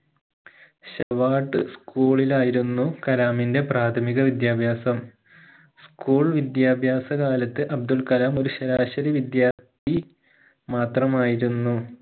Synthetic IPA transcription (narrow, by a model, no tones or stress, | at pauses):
ɕɐʋaːʈːɨskuːɭilaːjiɾunːukɐlaːminde̞praːt̪ʰɐmiɣɐʋid̪jaːbʱjaːsɐm | skuːɭʋid̪jaːbʱjaːsɐkaːlɐt̪ːɨʔɐb̚d̪ulkɐlaːmo̞ɾuɕɐɾaːɕɐɾiʋid̪jaːt̪ʰi | maːt̪rɐmaːjiɾunːu